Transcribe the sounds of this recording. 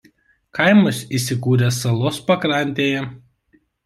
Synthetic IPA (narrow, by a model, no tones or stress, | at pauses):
kɐɪmɐsiːˑsʲɪkuːɾʲɛsɐlˠoːspɐkɾɐˑnʲt̪ʲeːjɛ